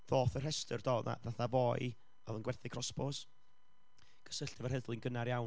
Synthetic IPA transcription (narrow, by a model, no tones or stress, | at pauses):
ðoːθər̥ɛstərd̥ɔːa̰ðaθavɔːj | ɔðənɡwɛθɪkʰrɔspɔs | ɡ̥ə̥səɬtɛvərhəðlˠɪnɡənaɾjaw